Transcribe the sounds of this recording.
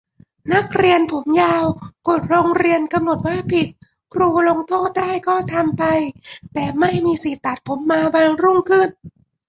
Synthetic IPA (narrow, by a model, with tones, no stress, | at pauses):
na˦˥˩k̚ɾi˧ənpʰo˩˦mjaː˧wko˨˩t̪̚ɾoː˧ŋɾi˧ənka˧mno˨˩t̪̚waː˥˩pʰi˨˩t̪̚ | kʰɾuː˧lo˧ŋt̪ʰoː˥˩t̪̚daː˥˩jkɔː˥˩t̪ʰa˧mpa˧jt̪ɛː˨˩ma˥˩jmiː˧si˨˩t̪ːa˨˩t̪̚pʰo˩˦mːaː˧baː˧ŋɾu˥˩ŋkʰɯ˥˩n